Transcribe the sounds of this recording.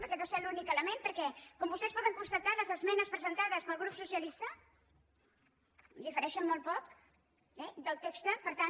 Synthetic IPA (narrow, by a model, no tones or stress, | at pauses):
pəɾkɛðosɛlunikələmenpəɾkɛkɔmbust̪ɛspɔðəŋkunst̪ət̪aləzəzmɛnəspɾəzənt̪aðəspəlˠɣɾupsusiəlist̪ə | d̪ifəɾɛʃənmɔl̚ˠpɔk | ɛd̪əlˠt̪ekst̪əpəɾt̪a